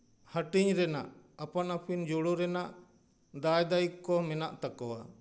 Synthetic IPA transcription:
həʈiɲɾɛnaʔ | apanapʰind͡ʒɔɽuɾɛnaʔ | d̪ajd̪aikːɔmɛnaʔt̪akɔwa

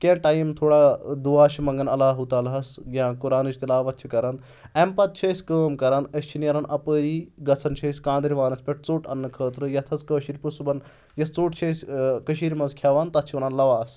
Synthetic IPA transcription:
kʲeʈaːjimt̪ʰoːɽaːd̪uaːʃʰimɐŋɡɐnɐlaːɦut̪aːlɦɐsjʲãkuɾaːnɨt͡ʃʰt̪ilaːʋɐt̪̚t͡ʃʰikɐɾɐn | empɐt̪̚t͡ʃʰɐsʲkəːmkɐɾanɐst͡ʃʰinɐɾɐnʔɐpəːɾiːɡɐt͡sʰɐnt͡ʃʰɐːsʲkãːnd̪ɐɾiʋaːnɐspʲɐʈ̚ʰt͡soːʈɐ̰nːɨkʰəːt̪ɾɨjɐt̪ʰɐzkəːʃiɾʲpusubɐn | jɐsʰt͡soːʈt͡ʃʰɐsʲkɐʃiːɾʲimɐnzkʰʲjaːʋaːnt̪ɐt̪̚t͡ʃʰiʋɐnaːnlɐʋaːs

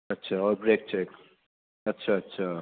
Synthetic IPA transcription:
ʌtːt͡ʃʰaʌbɾek̚t͡ʃʰek | ʌtːʃʰaʌtːʃʰa

